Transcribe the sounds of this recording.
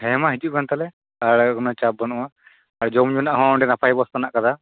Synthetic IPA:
hɛmaɦid͡ʒuʔkant̪alɛ | aɽɡɔnɔt͡ʃab̚bɔnɔwa | aɽd͡ʒɔmd͡ʒunaʔɦɔ̃ɔɳɖɛnapʰajbɔst̪anaʔkad̪a

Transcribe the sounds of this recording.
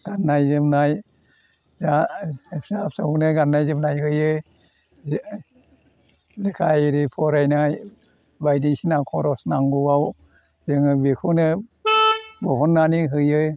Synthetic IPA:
ɡ̥anːajzɯmnaj | za | sasaunɯɡanːajzɯmnajɦɯjɯ | lekʰajɾipʰɔɾajnaj | bajdisinakʰɔɾɔsnaŋɡuwaw | zɯŋbikʰunɯ | bɔbɔnːaniɦɯjɯ

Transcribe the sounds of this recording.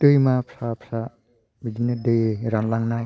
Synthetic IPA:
tɯjmapʰsapʰsa | bid͡ʒinedɯjɾaŋlaŋnaj

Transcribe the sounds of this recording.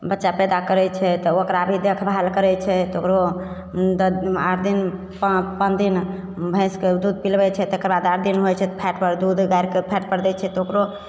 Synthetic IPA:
bətːʃapɛd̪akəɾɛt͡ʃʰɛt̪ɔokɾabʱid̪ekʰbɦalkəɾɛt͡ʃʰɛt̪okɾo | d̪aɾd̪in | ppənd̪in | bʱə̃sked̪ud̪̚pilbɛt͡ʃʰɛt̪ekəɾbad̪aɾd̪inɦojt͡ʃʰɛt̪pʰɛʈpəɾd̪ud̪ʱɡajɾkepʰɛʈ̚pəɾd̪ɛt͡ʃʰɛt̪ɔokɾo

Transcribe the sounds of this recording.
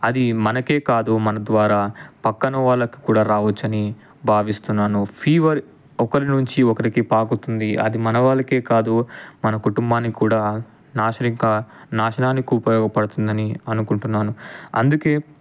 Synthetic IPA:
ɐd̪imɐnɐke̞ːkaːd̪umɐnɐd̪ʋaːɾaːpɐkːɐnɐʋaːɭːɐki̥kuːɽaːɾaːʋɐt͡ʃːɐni | bʱaːʋist̪unːaːnupʰiːʋɐɾi | ɔkɐɾinuɲt͡ʃiɔkɐɾikipaːkut̪und̪iɐ̰d̪imɐnɐʋaːɭːɐke̞ːkaːd̪umɐnɐkuʈumbaːnːikuːɽaː | naːʃɐɾiŋkɐnaːʃɐnaːnːikuːpɐʋɔːkɐpɐɽut̪und̪ɐniɐnukuɳʈunːaːnuɐ̰nd̪uke̞ː

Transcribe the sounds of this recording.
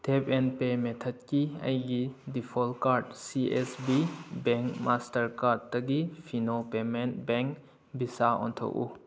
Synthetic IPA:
tʰepenpemetʰɔtkiɐ̰jɡidipʰɔlkaɾd̚siʔesbibeŋkmastɐɾkaɾd̚ːɐɡipʰinopementbeŋk | bisaɔ̰ntʰo̰ʔṵ

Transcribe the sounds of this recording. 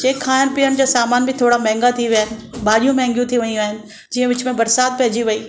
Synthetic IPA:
t͡ʃeːkʰːaːɪnɪ̆pijənɪ̆d͡ʑaːsaːmaːnbʱɪt̪ʰoːɽamɛ̃ɦɪ̃ŋɡat̪ʰiʋijaːɦɪnɪ̆baːɗijũmɛ̃ːŋɡjũt̪ʰiʋɐiũaːɦɪnɪ̆ | d͡ʑiːə̃ʋɪt͡ɕʊmẽbɐɾsaːd̪̚pɐɦd͡ʑiʋɐiː

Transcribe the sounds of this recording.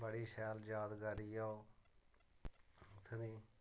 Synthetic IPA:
bəɽiːʃɛːld͡ʒaːd̪ɡaːɾiːaoː | t̪ʰəniː

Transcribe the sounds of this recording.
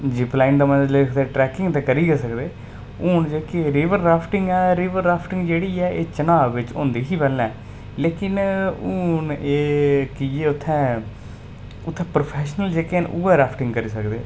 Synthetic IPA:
d͡ʒɪplaːɪnd̪aːmənleːkʰd̪eːʈɾɛːkɪ̃ŋɡt̪ɛ̃ːkəɾiːɡeːsəkd̪eː | ʊːnd͡ʒeːkeɾɪːʋəɾɾaːpʰʈɪŋɡɛːɾiːʋəɾːaːpʰʈɪ̃ŋɡd͡ʒeːɽiːɛːʔeːt͡ʃənaːʋːɪt͡ʃõ̰ːnd̪eːɦiːpɛlːɛ̃ː | leːkɪnʊːneːkieːʊt̪ʰːɛ̃ː | ʊt̪ʰːɛ̃ːpɾoːpʰɛːʃnəld͡ʒeːkenʔuːaːɾaːpʰʈɪ̃ŋɡkəɾiːsəkd̪ḛː

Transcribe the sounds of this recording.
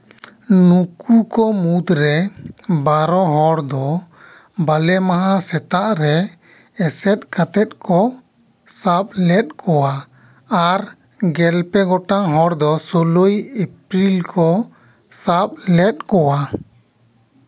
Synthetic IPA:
nukukɔmud̪ɾɛbaɾɔɦɔɽd̪ɔ | balɛmaɦãsɛt̪aʔɾɛ | ɛsɛt̪̚kat̪ɛt̪̚ˀkʰɔ | sap̚lɛt̪̚kɔwa | aɾ | ɡɛlpɛɡɔʈaɦɔɾd̪ɔsolojepɾilkʰɔ | sap̚lɛt̪̚kɔwa

